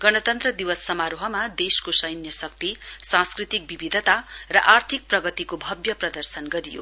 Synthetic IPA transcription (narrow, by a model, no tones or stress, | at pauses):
ɡʌnʌt̪ʌnt̪rʌd̪iwʌsːʌmaɾoɦʌmad̪eskosʌjnjʌsʌk̚t̪isãnskrit̪ik̚bibid̪ʱʌt̪arʌʔart̪ʰik̚prʌɡʌt̪ikobʱʌbjʌprʌd̪ʌrsʌnɡʌɾijo̰